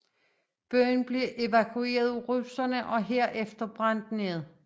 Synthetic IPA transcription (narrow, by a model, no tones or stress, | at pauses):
b̥œɐnb̥le̝ʔe̝ʋækʰue̝̰ːɐðˠʁusɐnəʔɒ̽ɦeɐ̰ʔefd̥ɐb̥ʁan̰d̥neð̩ˠ